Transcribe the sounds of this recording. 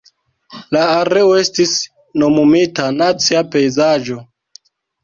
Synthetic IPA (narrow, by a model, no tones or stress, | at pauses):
laːɾe̞oe̞stis | no̞mumitanat͡siape̞jzad͡ʒo̞